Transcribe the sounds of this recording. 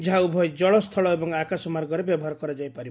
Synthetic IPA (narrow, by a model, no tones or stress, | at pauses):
d͡ʒɦaubʱɔjd͡ʒɔɭɔst̪ʰɔɭɔebɔŋakasɔmaɾɡɔɾebjɔbɔɦaɾɔkɔɾad͡ʒajpaɾib